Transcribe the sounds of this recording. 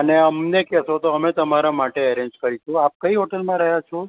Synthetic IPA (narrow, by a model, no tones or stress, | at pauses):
əneəmnekɛsõt̪oəmet̪əmaɾamaʈeəɾeɲd͡ʒkəɾit͡ʃʰũap̚kəiɦoʈəlmãɾəɦjat͡ʃʰo